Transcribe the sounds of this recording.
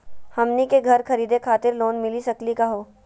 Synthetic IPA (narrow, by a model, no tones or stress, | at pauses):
hɐmnikeɡʱɐɾkɐɾiːd̪ekʰaːt̪ɪɾloːnmɪlisɐklikaɦoː